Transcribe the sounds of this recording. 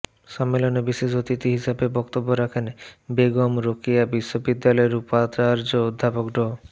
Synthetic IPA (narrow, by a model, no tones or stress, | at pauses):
ʃamːelonebiʃeʃot̪it̪iɦiʃabebɔk̚t̪obːoɾakʰenbeɡomɾokiabiʃːobid̪ːalɔeɾupat͡ɕaɾd͡ʑood̪ʱːapokɖo